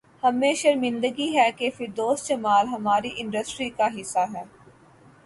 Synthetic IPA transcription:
hɐmeːʃəɾmɪ̃nd̪əɡiɦɛːkefɪɾd̪oːst̪t͡ʃɐmaːlɦɐmaːɾiʔɪ̃ɳɖəsʈɾikaɦɪsːaɦɛː

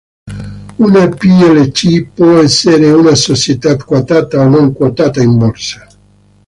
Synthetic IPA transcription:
unapiɛlet͡ʃipwɔɛsːeɾeunasot͡ʃjet̪at̪kwat̪aːt̪aonoŋkwat̪aːt̪aimbɔrsḁ

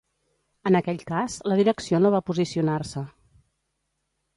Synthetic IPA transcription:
ənəkɛʎkazləðiɾəksionoβapuzisiunarsə

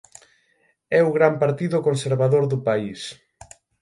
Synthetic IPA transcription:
ɛuɣɾampaɾt̪iðʊkonseɾβaðoɾðʊpais

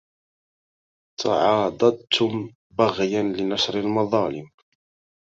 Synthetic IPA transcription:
t̪ʰɑ̰ʕɑːd̪ˤɑd̪̚t̪ʰʊm | baɣjanlɪnɑʃɾɪlmɑðˤɑːlɪm

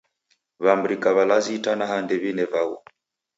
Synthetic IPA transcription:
βambɾikaβalazitanaɦandɛβinɛvaɣṵ

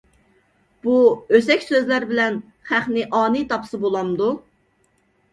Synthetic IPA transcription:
b̥uøzɛkʲsøzlæɾbɪlɛn | χæχnɪʔɑːnɨt̪ʰɑpʰsɨbolˠɑmd̪u

